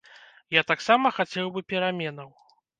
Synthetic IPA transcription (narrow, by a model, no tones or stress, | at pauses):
jat̪aksamɐxat͡sʲɛwbɨpʲɛɾamʲɛnɐw